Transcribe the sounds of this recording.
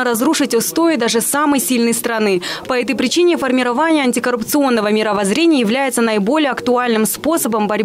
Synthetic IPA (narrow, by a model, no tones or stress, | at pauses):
ɾɐzɾuʂɨtʲʊst̪oɪd̪aʐɨsaməjsʲilʲnəjst̪ɾɐnɨpɐɛt̪əjpɾʲɪt͡ɕinʲɪfərmʲɪɾɐvanʲɪjəɐnʲtʲɪkəɾʊpt̪sɨo̞nːəvəmʲɪɾəvɐzɾʲenʲɪjəjɪvlʲæjɪt̪sənəɪbo̞lʲɪjəɐkt̪ʊalʲnɨmspo̞səbəmbɐɾʲ